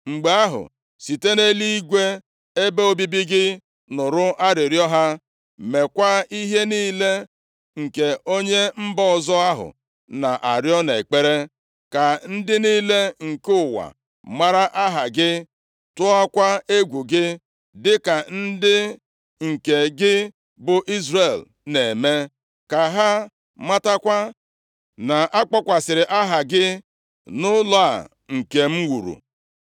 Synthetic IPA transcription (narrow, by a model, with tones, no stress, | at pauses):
ŋ͡m̩˨ɡ͡be˨a˦ɦʊ̰˨ | si˨te˦ne˦li˦i˦ɡʷe˦ | e˦be˦o˦bi˦bi˦ɡɪ˦ | nʊ˨ɾʊ˦ʔa˦ɾɪ˨ɾjɔ˦ɦa˦ | me˨kʷa˦i˦ɦe˦niː˦le˦ | ŋ̩˨ke˨o˦ɲe˦m̩˦bɔ˦ɔ˨zɔ˦a˦ɦʊ̰˨ | na˨ʔa˨ɾjɔ˦ne˨k͡pe˦ɾe˦ | ka˨n̩˦dɪ˦niː˦le˦ŋ̩˨kʊ˦˨wa̰˨ | ma˦ɾa˦ʔa˦ɦa˨ɡɪ˦ | tʊ˦a˦kʷa˦e˦ɡʷu˨ɡɪ˦ | dɪ˦ka˨n̩˦dɪ˦ | ŋ̩˨ke˨ɡɪ˦ | bʊ˨ʔi˦zɾe˨l | ne˨me˦ | ka˨ɦa˦ | ma˦ta˦kʷa˦ | na˨ʔa˦k͡pɔ˦kʷa˨sɪ˨ɾɪ˨ʔa˦ɦa˨ɡɪ˦ | nʊ˦lɔ˦a˨ | ŋ̩˨ke˨m̩˦wu˨ɾṵ˨